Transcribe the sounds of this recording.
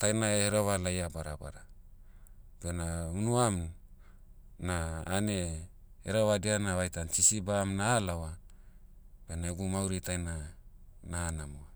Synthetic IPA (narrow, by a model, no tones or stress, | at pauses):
tajnaeeɾoβalajabaɾa̰ba̰ɾa | benaunuam | naːne̞ | eɾoβadianaβajtant͡ʃisibaːmnaːlawa | b̥enaeɡumawɾitajna | naːnamoa